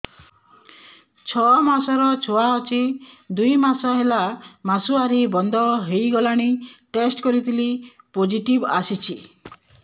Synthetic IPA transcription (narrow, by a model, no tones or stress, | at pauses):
t͡ʃʰɔmasɔɾɔt͡ʃʰoaɔt͡ʃʰi | d̪ujmasɔɦelamasuaɾibɔnd̪ʱɔɦejɡɔlaɽ̃iʈesʈkɔɾit̪ʰili | pod͡ʒiʈibasit͡ʃʰi